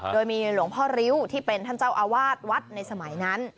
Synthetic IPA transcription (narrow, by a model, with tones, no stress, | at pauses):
doː˧jmiː˧lu˩˦əŋpʰɔː˥˩ɾi˦˥wt̪ʰiː˥˩pe˧nt̪ʰa˥˩nt͡ɕa˥˩wʔaː˧waː˥˩t̪̚wa˦˥t̪̚na˧jsa˧ma˩˦jna˦˥n